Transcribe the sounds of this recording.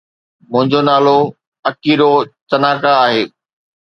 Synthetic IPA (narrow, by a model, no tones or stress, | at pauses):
mʊ̃ɦɪ̃ɲd͡ʑonaːlo | ɐkiɾot͡ɕɐnaːkaːɦeː